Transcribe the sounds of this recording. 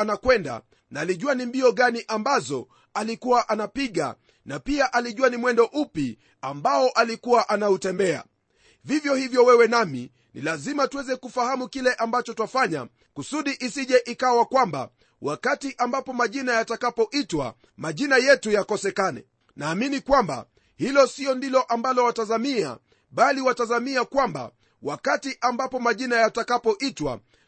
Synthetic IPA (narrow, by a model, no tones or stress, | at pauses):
anakwɛnda̰ | naːliʄuwanimbiɔɠaniʔambazɔ | alikuwaʔanapiɠa̰ | napiaʔaliʄuanimwɛndɔʔupi | ambaɔʔalikuwaʔanautɛmbɛa̰ | vivjɔhivjɔwɛwɛnamḭ | nḭlazimatuwɛzɛkufahamukilɛʔambat͡ʃɔtafaɲa̰ | kusuɗiʔisiʄɛʔikawakwamba̰ | wakatiʔambapɔmaʄinajatakapɔʔitwa̰ | maʄinajɛtujakɔsɛkanɛ̰ | naːminikwamba̰ | hilɔsiɔndilɔʔambalɔwatazamia̰ | ɓaliwatazamiakwamba̰ | wʔakatiʔambapɔmaʄinajatakapɔʔitwa̰